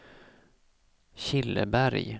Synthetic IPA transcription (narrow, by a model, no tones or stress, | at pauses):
ɕɪlːə̰bæɾj